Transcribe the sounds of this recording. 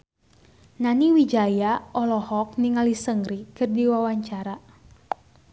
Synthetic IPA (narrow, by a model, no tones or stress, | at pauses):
naniwid͡ʒajaɔlɔhɔk̚niŋalisəŋɾikɨrdiwawaɲt͡ʃaɾa